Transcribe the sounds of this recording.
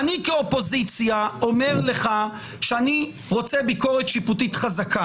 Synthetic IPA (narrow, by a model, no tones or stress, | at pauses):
anikeopo̞zit͡sjao̞meʁle̞χa | ʃeani | ʁo̞t͡sebiko̞ʁet̪ʃiputitχazakʰa